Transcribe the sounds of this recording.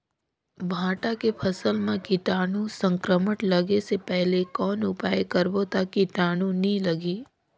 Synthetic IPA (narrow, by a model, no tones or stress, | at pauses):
bʱãːʈakepʰɐsəlmẽkɪʈaːnũsə̃ŋkɾəməʈləɡesepɛɦlekɔːnʊpaːjekəɾbot̪akiʈaːnũnĩləɡiː